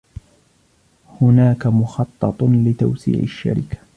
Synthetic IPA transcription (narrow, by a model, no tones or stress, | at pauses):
hʊnaːkamʊxɑt̪ˤːɑt̪ˤlɪt̪a̰wsḭːʕa̰ʃːa̰ɾɪkḁ